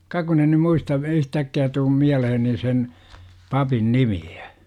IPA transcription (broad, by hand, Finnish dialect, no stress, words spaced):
kɑ kun en̆ ny muistɑ yhtækːiæ tuːm miæleheni sen pɑpin nimiæ̥